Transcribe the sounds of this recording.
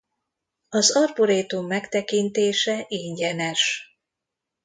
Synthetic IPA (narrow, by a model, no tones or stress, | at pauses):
ɒzɒrboɾeːt̪umːɛkt̪ɛkint̪eːʃɛʔiɲɟɛnɛʃ